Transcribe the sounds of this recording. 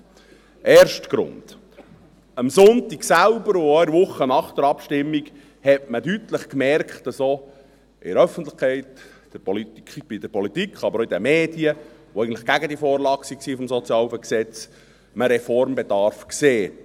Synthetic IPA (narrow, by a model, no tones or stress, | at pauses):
ʔeːɾʃtɡ̥ɾʊ̰nd̪̥ | əmsʊnt̪iksælbəɾʊɔʋʊχːənɑχd̥̪əɾɑpʃtɪmːiɡ | hɛtməd̥ytləχkmɛrkχtd̥ɑso | ɪ̰ɾœfən̩t̪lɪχkʰɛɪt | d̥əɾpɔlib̥id̥̪əɾpʰɔlit̪ikχɑbəɾoɪidæmeːd̥iə | oɛɪɡən̩tlɪ̥χɡ̥æɡədifɔːɾlɑksiksifɔmsɔt͡sjɑːlfəksɛt͡s | məɾɛfɔɾmbed̥̪ɑɾfkseː